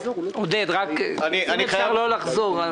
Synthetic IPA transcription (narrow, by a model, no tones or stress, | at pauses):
od̪ed̪ʁakniaiaʁlolaχzoʁa